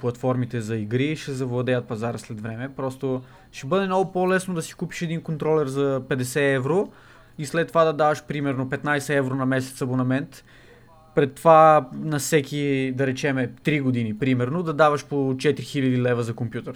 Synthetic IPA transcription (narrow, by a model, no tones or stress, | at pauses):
plˠɐt̪fɔɾmit̪ɛzɐiɡɾiʃɛzɐvlˠɐd̪ɛjɐt̪̚pɐzaɾəslɛd̪vɾɛmɛpɾɔst̪o | ʃɛbɤd̪ɛmnoɡʊpolɛsnod̪ɐsi̥kupi̥ʃɛd̪inkont̪ɾɔlɛɾzɐpɛd̪ɛsɛɛvɾo | islɛt̪ːovad̪ɐd̪avɐʃpɾimɛɾnopɛt̪najsɛɛvɾonɐmɛsɛ̥t̪sɐbonɐmɛnt̪ | pɾɛt̪ːovanɐfsɛkʲid̪ɐɾɛt͡ʃɛmɛt̪ɾiɡod̪inipɾimɛɾnod̪ɐd̪avɐʃpot͡ʃɛt̪ɾixilʲɐd̪ilɛvəzɐkompjut̪əɾ